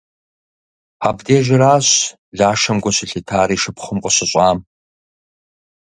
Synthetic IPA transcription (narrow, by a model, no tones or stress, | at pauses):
abdeːʒɪɾaːɕ | ɮaːʃɐmɡʷɔɕɪɬitʰaːɾiːʂɨpχʊmqʷʼɔɕɪɕʷʼaːm